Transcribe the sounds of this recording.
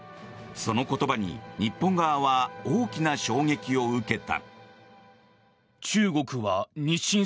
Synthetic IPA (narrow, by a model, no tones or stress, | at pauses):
so̞no̞ko̞t̪o̞baɲ̟ḭɲ̟ipːõŋɡaːβaoːkʲinaɕo̞ːŋe̞kʲio̞ɯ̟ke̞t̪a̰ | t͡ɕɨːɡo̞kɯ̟βaɲ̟iɕːĩ